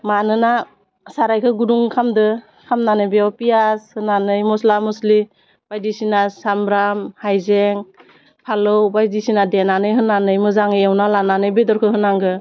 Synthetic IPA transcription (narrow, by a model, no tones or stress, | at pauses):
manɯna | saɾajkʰɯɡuduŋkʰamdɯ | kʰamnanɯjbeapijashɯnanɯjmɔslamɔsli | b̥ajdisinasambɾamhajzeŋ | pʰalɯwbajdisinadenanɯjɦɯnanɯjmɯzaŋewnalananɯjbedɔɾkʰɯhɯnaŋɡɯ